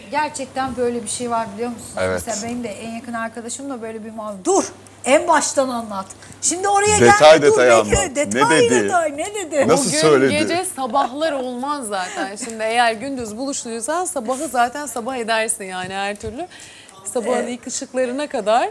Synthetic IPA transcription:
ɟæɾt͡ʃʰɛc̚t̪ʰænbø̞jlʲebiʃejvaɾbilʲijo̞ɾmusunevɛeselʲabenimd̪ɛʔænjakʰɯnaɾkad̪aʃɯmd̪ˠabø̞jlʲebimad̪uɾ | ænbaʃt̪ananlˠat̪ʃimd̪io̞ɾajad̪et̪ʰajd̪eajand̪eed̪ed̪ɪajned̪ed̪ɪnasuɯɡysøjlʲedɟed͡ʒɛsabaɦlˠaɾo̞lˠmazːaːt̪ʰænʃimd̪ɪe̞jæɾɟynd̪yzbulˠuʃlˠuujosansabaɦɯzaːt̪ʰænsabahe̞d̪æɾsinjaːnihæɾt̪ʰyɾlʲy | sabaɦɯnjɯkʰɯʃɯklˠaɾɯnakad̪aɾ̥

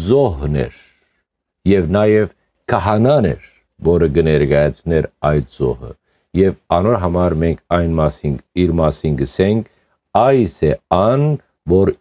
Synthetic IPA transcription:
zɔɦnɛ̰ɾ | jɛvnɑjɛv | kʰɑɦɑnɑnɛ̰ɾ | vɔɾəɡənɛɾɡɑjɑt͡sʰnɛɾɑjt̪z̥ɔ̰hə̰ | jɛvɑnɔɾɦɑmɑɾmɛŋkʰɑjnmɑsiniɾmɑsinɡəsɛŋkʰ | ɑjsɛɑn | vɔɾ

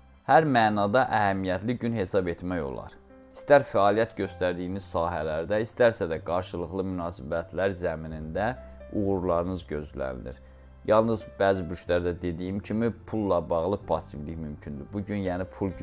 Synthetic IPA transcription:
hæɾmæːnɑd̪ɑʔæhæmijæt̪liɟynhe̞sɑbe̞t̪mæjo̞̰lˠɑ̰ɾ | i̥st̪æɾfæɑːlijæt̪ɟø̞st̪æɾd̪ijiniz̥sɑːɦælæɾd̪æist̪æɾsæd̪æɡɑɾʃɯlˠɯχlˠɯmynɑːsibæt̪ʰlæɾzæminind̪æuɣuɾlˠɑɾɯnɯzɟø̞zlæ̰n̰nḭɾ | jɑlˠnɯzbæːzibyʃlæɾd̪æd̪e̞d̪ijimcʰimipʰulˠːɑbɑɣlˠɯpʰɑsibliçmymcʰynd̪ybuɟynjæːnipʰulˠ

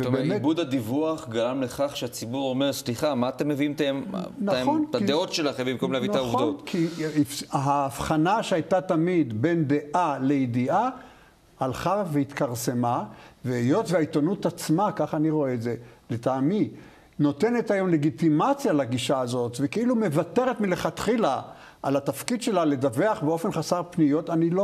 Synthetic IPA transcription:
veeːmebud̪adivuaχɡaʁamleχaχʃeat͡sibuʁome̞ʁsliχamaːt̪emːeviimt̪aemntaaonkt̪aid̪eo̞tʃelaχembimko̞mleavint̪auvdotkʰifɦaːfχanaʃeajtat̪amid̪be̞nd̪e̞ʔale̞id̪ia | alχaveit̪kaʁse̞maveejo̞tveait̪o̞nutat͡smakaχaniʁo̞eːtzeletaːmi | no̞te̞ne̞tajo̞mle̞ɡit̪imat͡sjalaɡiʃaːzo̞tvekeilume̞vate̞ʁetmileχat̪χila | ʔalat̪afkid̪ʃe̞lale̞daveaχbeo̞fe̞nχasaʁpnijo̞tanilo

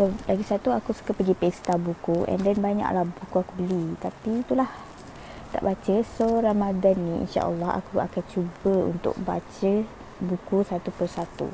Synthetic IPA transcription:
solaɡisat̪uakusu̥kəpəɡipest̪abukuʔɛ̰ndɛnbaɲa̰ʔlahbukuakubəlit̪apit̪ulah | t̪a̰ʔbat͡ʃəsoɾamadanːiḭnʃa̰ʔə̰lːɑha̰kua̰kant͡ʃubəṵnt̪ʊ̰k̚ba̰t͡ʃə | bukusat̪upərsat̪ṵ

